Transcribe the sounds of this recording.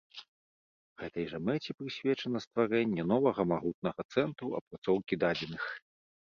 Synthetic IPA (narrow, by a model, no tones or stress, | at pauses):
ɣɛt̪ɐjʐɐmɛt͡sʲɛpɾɨsʲvʲɛt͡ʂɐnɐst̪vaɾɛnʲːɛnɔvɐɣɐmaɣut̪̚nɐɣɐt̪sɛnt̪ɾuɐ̰pɾat̪sɔwkʲid̪ad͡zʲɛnɨx